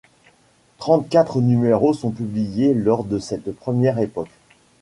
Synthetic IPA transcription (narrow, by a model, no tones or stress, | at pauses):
t̪χɑ̃t̪̚kʲat̪χənymeʁosɔ̃pyblijelɔʁd̪əsɛt̪pχəmjɛʁepɔk